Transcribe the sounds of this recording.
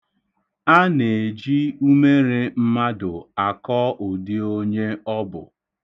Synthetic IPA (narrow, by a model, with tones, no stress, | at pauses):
a˦ne˨d͡ʒi˦u˦me˦ɾe˦m̩˦ma˦dʊ˨a˨kɔ˦ʔʊ˨dɪ˦o˦ɲe˦ɔ˦bʊ̰˨